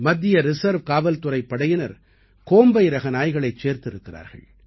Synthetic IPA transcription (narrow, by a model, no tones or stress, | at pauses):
mɐd̪ːɪjɐɾɪsɐɾʋkaːʋɐlt̪ʊrɐɪpːɐɽɐjɪnɐɾ | koːmbɐjɪɾɐɣɐnaːjɣɐɭɐɪt͡ʃːeːɾt̪ɪɾɯkːɪra̰ːɾɣɐ̰ɭ